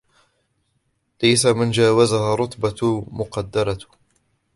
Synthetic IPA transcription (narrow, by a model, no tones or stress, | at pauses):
lajsamɪnd͡ʒaːwazahaːrˤʊt̪ˤbamʊqɑd̪ːɑɾˤɑ